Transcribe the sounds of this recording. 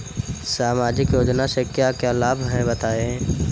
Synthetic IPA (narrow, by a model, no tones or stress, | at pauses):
saːmaːd͡ʒɪkjoːd͡ʒnasekjakjaːlaːbʱɦɛ̃bət̪aːẽ